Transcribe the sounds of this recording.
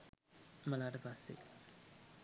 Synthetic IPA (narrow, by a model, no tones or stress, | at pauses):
mɐlaːʈəpasːḛ